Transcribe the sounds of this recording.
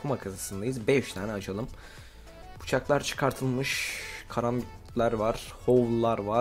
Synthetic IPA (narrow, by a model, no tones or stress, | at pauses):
kʰumakʰazasɯnd̪ajɯzbɛyʃt̪ʰaːnɛat͡ʃʰalˠɯm | bʰu̥t͡ʃʰaklˠaɾt͡ʃʰɯ̥kʰaɾt̪ʰɯlˠmɯʃkʰaɾambit̪ | lʲæɾvaɾ̥hovlˠlˠːaɾva